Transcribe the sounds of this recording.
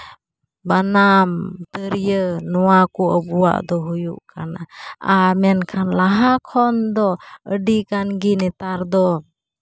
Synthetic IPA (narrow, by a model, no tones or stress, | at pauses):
banamt̪əɾijənɔwakuəbuwa̰ʔd̪ɔɦujṵʔkanaamɛnkʰanlaɦakʰɔnd̪ɔəɖikanɡinɛt̪aɾd̪ɔ